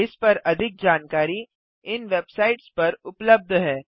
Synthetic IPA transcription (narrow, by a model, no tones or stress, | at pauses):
ɪspɐɾɐd̪ʱɪk̚d͡ʒaːnkaːɾi | ɪnʋeːbsaːɪʈspɐɾʊpləb̚d̪ʱɦɛː